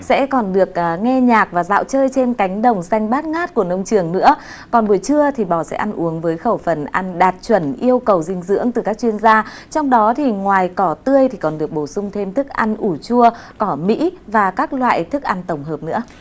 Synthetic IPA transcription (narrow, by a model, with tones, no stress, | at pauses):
sɛ̰˧˥kɔ˨˩nɗɨ˨˩ək̚ʔːŋɛ˧ɲaː˨˩k̚vaː˨˩za̰ː˧˨wt͡ɕəː˧jt͡ɕe˧nka˨˦jŋ̟ɗə˨˩wŋ͡msa˧jŋ̟ɓaː˦˥t̚ŋaː˦˥t̚ku˧˩ənə˧wŋ͡mt͡ɕɨ˨˩əŋnɨ̰˧˥ə | kɔ˨˩nɓu˧˩əjt͡ɕɨ˧ət̪ʰi˨˩ɓɔ˧˩sɛ̰˧˥ʔa˧nʔu˨˦əŋvəː˨˦jxə˧˩wfə˨˩nʔa˧nɗaː˨˩t̚t͡ɕwə˧˩nʔi˧əwkə˨˩wzï˧ŋ̟zɨ̰˧˥əŋt̪ɨ˨˩kaː˦˥k̚t͡ɕwi˧ənzaː˧t͡ɕɔ˧wŋ͡mɗɔ˨˦t̪ʰi˨˩ŋwaː˨˩jkɔ˨˩t̪ɨ˧əjt̪ʰi˨˩kɔ˨˩nɗɨ˨˩ək̚ɓo˧˩sʊ˧ŋ͡mt̪ʰe˧mt̪ʰɨ˦˥k̚ʔa˧nʔu˧˩t͡ɕu˧əkɔ˧˩mḭ˧˥vaː˨˩kaː˦˥k̚lwa̰ː˧˨jt̪ʰɨ˦˥k̚ʔa˧nt̪ə˧˩wŋ͡mɦəː˨˩p̚nɨ̰˧˥ə